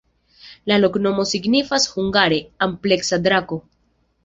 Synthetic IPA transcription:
lalo̞kno̞mo̞siɡnifashuŋɡaɾe̞ample̞ksadɾako̞

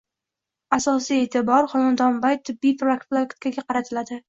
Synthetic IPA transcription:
asɒsije̞t̪ʰɪbɒɾχɒnand̪ɒnbajt̪ʰɪbːijpɾokt̪flˠoekt̪̚kʲaɡʲaqʰɑɾat̪ʰɪlad̪ɪ

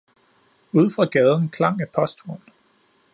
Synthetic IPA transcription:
uð̞ˠfʁɑ̈ɡ̥ɛːð̞ˠn̩kʰlɑ̈ŋ̰æpʰɒ̽sd̥ʰoɐn

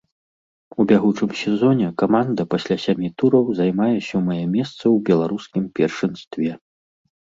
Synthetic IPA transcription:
ubʲaɣut͡ʂɨmsʲɛzɔnʲɛkamand̪ɐpasʲlʲasʲamʲit̪uɾɐwzajmajɛsʲɔmɐjɛmʲɛst̪sɐwbʲɛlˠaɾuskʲimpʲɛrʂɨnst̪vʲɛ

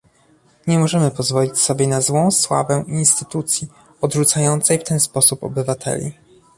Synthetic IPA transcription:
ɲɛmɔʐɛmɘpɔzvɔlʲit͡ɕsɔbʲjɛnazwɔ̃w̃swa̰vɛʔinst̪ɘt̪ut̪sʲji | ɔd̪ʐut̪sajɔnt̪sɛjft̪ɛnspɔsupɔ̰bɘvat̪ʰɛ̰lʲḭ

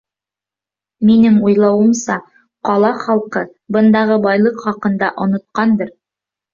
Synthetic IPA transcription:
minɘŋujlˠɑwɤ̆msɑ | qɑlˠɑχɑlˠqɤ | bɤ̆nd̪ɑʁɤbɑjlˠɤqχɑqɤ̆nd̪ɑʔŏnŏt̪̚qɑnd̪ɤɾ

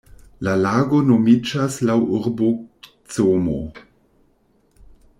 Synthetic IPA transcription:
lalaːɡo̞nomid͡ʒaslawʔuɾbo | t͡somo̰

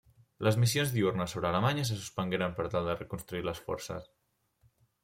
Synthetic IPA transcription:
ləzmisjonzðiurnəsoβɾəːləmaɲəs̬əsu̥spəŋɡeɾəmpəɾt̪alˠd̪ərəkunst̪ɾuiləsfɔ̰ɾsə̰s

